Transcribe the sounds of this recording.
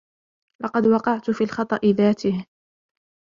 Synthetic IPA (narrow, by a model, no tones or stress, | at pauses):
lɑqɑd̪wɑqɑʕt̪ʊfiːlxɑt̪ˤɑʔɪðaːt̪ɪh